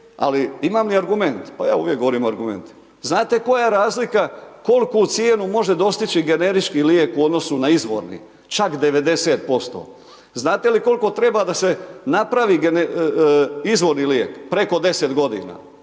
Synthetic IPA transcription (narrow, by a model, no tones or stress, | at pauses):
a̰liimaːmliaɾɡume̞nt̪pajaːuːʋjekɡooɾiːmoaɾɡume̞̰nt̪i̥ | znaːt̪e̞ko̞jaɾaːzlikako̞lkut̪sjeːnumo̞ʒe̞d̪o̞st̪it͡ʃiɡe̞ne̞ɾit͡ʃkiljekuo̞d̪no̞sunaizʋo̞̰ɾnḭ | t͡ʃakd̪e̞ʋe̞d̪e̞seːt̪̚po̞st̪o̞̰ː | znaːt̪e̞liko̞lˠko̞t̪ɾe̞bad̪ase̞napɾaʋiːɡene | izʋo̞ɾnilje̞ːkpɾe̞ko̞d̪e̞set̪ɡo̞d̪ḭna̰ː